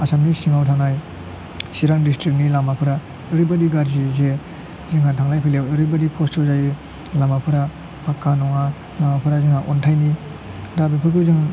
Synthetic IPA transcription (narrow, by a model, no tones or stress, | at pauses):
asamnisiŋawtʰaŋnaj | siɾaŋdistɾik̚nilamapʰɯɾa | eɾibadiɡaɾzize | ziŋatʰaŋlajpʰalijaweɾibadikʰɔstʰɔzaji | lamapʰɯɾa | pʰakːanɔŋa | lamapʰɯɾaziŋaʔɔntʰajni | dabipʰɯɾɡɯzɯŋ